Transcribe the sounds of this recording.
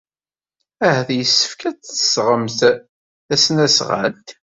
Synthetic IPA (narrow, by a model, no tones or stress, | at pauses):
æhðjəsːə̥fkæt͡sə̥sʁəmθ | æsnæsʁə̰d̪